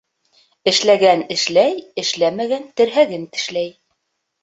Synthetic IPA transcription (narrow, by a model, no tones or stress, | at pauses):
ɘ̆ʃlæɡænɘ̆ʃlæjɘ̆ʃlæmæɡænt̪ɘ̆ɾɦæɡɘnɘ̥̆ʃlæj